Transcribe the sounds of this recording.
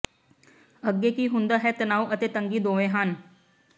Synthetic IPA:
əɡːeːkiːɦʊ̃nd̪aːɦɛːt̪ənaːuʔət̪eːt̪əŋɡiːd̪oːʋẽːɦən

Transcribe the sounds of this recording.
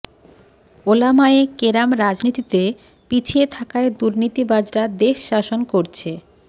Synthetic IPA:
olamaekeɾamɾad͡ʑnit̪it̪e | pit͡ɕʰiet̪ʰakaed̪uɾnit̪ibad͡ʑɾad̪eʃːaʃonkoɾt͡ɕʰe

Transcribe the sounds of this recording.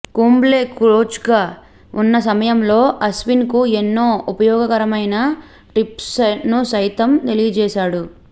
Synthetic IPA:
kuːmble̞ːkuɾoːt͡ʃɡaː | unːɐsɐmɐjɐmlo̞ːʔɐsʋinkuenːo̞ːupɐjɔːɡɐkɐɾɐmɐjnɐ | ʈɾipsnusɐjt̪ɐmt̪e̞lijɐd͡ʒɛːʃaːɽu

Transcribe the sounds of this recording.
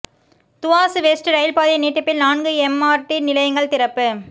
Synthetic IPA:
t̪ʊʋaːsɯʋeːsʈɯɾɐjɪlpaːðɪniːʈːɐpːɪlnaːnɡɯɛmːaːɾʈːinɪlɐjɐŋɡɐɭt̪ɪɾɐpːɯ

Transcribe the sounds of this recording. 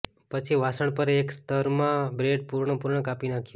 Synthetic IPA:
pət͡ʃʰiʋasəɳ̃pəɾekst̪əɾmãbɾeɖ̚puɾɳəpuɾɳəkapinakʰiju

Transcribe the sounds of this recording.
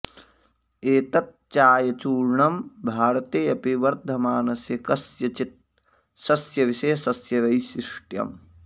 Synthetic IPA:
eːt̪ɐt̪̚t͡ʃaːjɐt͡ʃuːɾɳɐmbʱaːɾɐt̪eːɐpiʋɐɾd̪ʱɐmaːnɐsjɐkɐsjɐt͡ʃit̪̚ | sɐsjɐʋiʃɐjɐsɐsjɐʋɐjsiʂʈjɐ̰m

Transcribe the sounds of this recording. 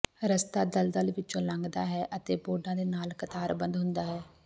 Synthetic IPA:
ɾəst̪aːd̪əld̪əlʋɪt͡ʃːõːlãːŋɡd̪aːɦɛːʔət̪eːboːɖãːd̪eːnaːlkət̪aːɾbənd̪ɦʊ̃nd̪aːɦɛː

